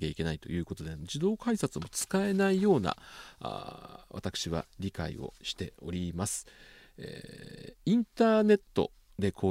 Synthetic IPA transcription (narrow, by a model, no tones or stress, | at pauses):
kʲeike̞nait̪o̞̰jɯ̟ːko̞t̪o̞d̪ed͡ʑid̪o̞ːkaisat͡sɨmo̞t͡sɨ̥kae̞naijo̞ːna̰a̰βa̰t̪akɯ̥ɕiβa̰ɾʲika̰ḭo̞̰ɕi̥t̪e̞o̞̰ɾʲimasɨ̥ | ḛ | ĩnt̪aːne̞t̪ːo̞̰ | d̪e̞kʰoː